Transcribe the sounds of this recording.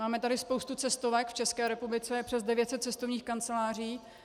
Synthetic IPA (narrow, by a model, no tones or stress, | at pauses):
aːmɛt̪adɪspowst̪ut͡sɛst̪ovɛkft͡ʃɛskɛːɾɛpublɪt͡sɛpr̥ɛzdɛvjɛt̪sɛt̪̚t͡sɛst̪ovɲiːxkant͡sɛlaːr̝iː